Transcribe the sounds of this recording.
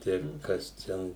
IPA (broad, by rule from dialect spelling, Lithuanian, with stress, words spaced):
ˈtɐɪ ˈkɐs ˈtʲɛn